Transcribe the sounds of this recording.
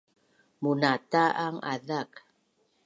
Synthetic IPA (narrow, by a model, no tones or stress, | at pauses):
munataʔaŋʔa̰ðak